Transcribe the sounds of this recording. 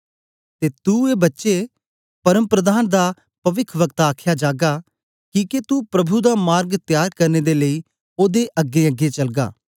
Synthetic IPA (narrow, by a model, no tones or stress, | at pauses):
t̪eːt̪ueːbətːʃe | pɐɾəmpɾəd̪aːnd̪aː | pɐʋɪkʰʋəɡ̚t̪aːkʰjaːd͡ʒaːɡaː | kĩːket̪upɾəbʱud̪aːmaːɾɡt̪jaːɾkɐɾneːd̪eːləiː | oːd̪eʔəɡːeəɡːet͡ʃɐlɡa̰ː